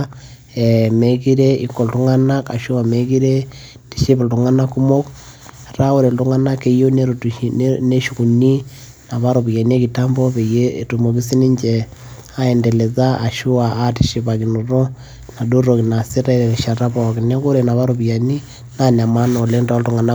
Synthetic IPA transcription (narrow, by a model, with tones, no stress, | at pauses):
e˨me˨ki˦ɾe˦i˦kːo˨ltu˦ŋa˦na˦ka̰˨ʃu˦a˨me˦ki˦ɾe˦ | ti̥˨ʃe˦βe˨ltu˨ŋa˦na˦kːu˦mo˦k | ra˦o˦ɾe˨ltu˦ŋa˦na˦ke˦jo˦ne˦ɾone˦ʃu˨ku˨ni˦ | na˨βa˦ɾo˨βi˨ja˨ni˦e˦ki˨ta˦mbo˦βe˨je˦tu˨mo˨ki˦si˦ni˦ɲd͡ʒe˨ | a˦e˨nde˨le˨ða˦a˨ʃu˦waː˨˦ti̥˨ʃe˦βa˨ki˨nu˨ɾo˦ | na˨du˦ɾo˨ki˨na˨si˦ɾa˦i˦ɾe˨ɾi˨ʃa˨ɾa˦βo˨ki˨ne˦ko˦ɾe˨na˨βa˦ɾo˨βja˨ni˦ | nana˨ma˦no˨le˦nda˦ltu˦ŋa˨na˦